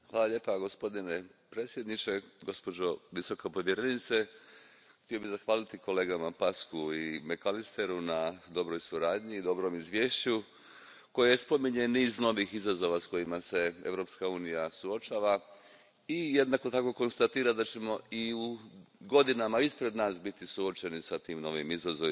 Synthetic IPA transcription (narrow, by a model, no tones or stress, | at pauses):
xʋaːlaʎe̞ːpaɡo̞spo̞d̪inepɾe̞ːt̪sje̞d̪nit͡ʃe̞ɡo̞spo̞d͡ʑo̞ʋiso̞kapo̞ʋje̞ɾe̞nit̪se | xt̪io̞bizaxʋaːlit̪iko̞le̞ːɡamapaskuimekalist̪e̞ɾunad̪o̞bɾo̞jsuɾaːd̪ɲiːd̪o̞bɾo̞mizʋje̞ːʃt͡ɕu | ko̞jajespo̞miɲeniːzno̞ʋixizazo̞ʋasko̞jimase̞e̞̰ʋɾo̞pskauːnijasuo̞t͡ʃaːʋa | ije̞d̪nako̞t̪ako̞ko̞nst̪at̪iːɾad̪at͡ɕe̞mo̞iuɡo̞d̪inamaispɾe̞d̪naːsbit̪isuo̞t͡ʃe̞nisat̪iːmno̞ʋimizazoʋi